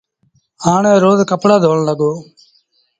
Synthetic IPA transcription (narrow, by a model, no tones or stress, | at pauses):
aːɳẽːɾoːd̪kəpɽaːd̪ʱoːɳləɡoː